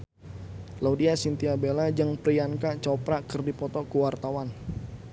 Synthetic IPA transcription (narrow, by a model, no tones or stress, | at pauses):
laudiasint̪iabelad͡ʒaŋpɾiankat͡ʃɔpɾakərdipɔt̪ɔkuwart̪awan